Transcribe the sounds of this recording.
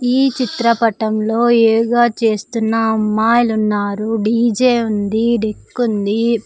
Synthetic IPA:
iːt͡ʃit̪ɾɐpɐʈɐmlo̞ːeːuɡaːt͡ʃe̞ːst̪unːɐmːaːjlunːaːɾuɖiːd͡ʒeːund̪iɖekːund̪i

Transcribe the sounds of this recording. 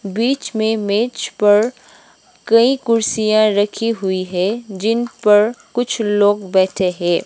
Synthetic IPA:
biːt͡ʃmẽmeːt͡ʃpɐɾ | kɐĩkʊɾsijãɾɐkʰiɦʊiɦɛd͡ʒɪnpɐɾkʊt͡ʃʰloːɡbɛːʈʰeɦɛ̃ː

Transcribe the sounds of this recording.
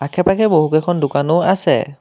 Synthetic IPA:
akʰɛpakʰɛboɦukɛkʰɔndʊkanʊasɛ̰

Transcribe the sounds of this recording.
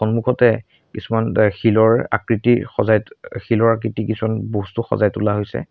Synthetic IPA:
ɔnmukʰɔtɛ | kisumanxilɔɹa̰kɹitixɔzajxilɔɹak̬ɹitikisumanbostuxɔ̰zajtulaɦojsɛ̰

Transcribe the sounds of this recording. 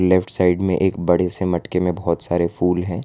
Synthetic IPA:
lɛfʈʰsaːɪɖmẽʔeːkbɐɽ̤esemɐʈkemẽbɔɦɔt̪saːɾefuːlɦɛ̃ː

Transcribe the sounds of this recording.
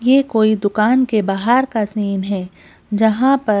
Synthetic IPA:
jeːkoːid̪ʊkaːnkebaːɦaːɾkasniːnɦɛː | d͡ʒɐɦãpɐ

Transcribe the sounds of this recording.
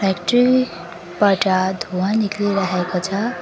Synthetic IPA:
pakʈri | pʌʈad̪ʱowãnikliɾaɦekot͡sʰʌ

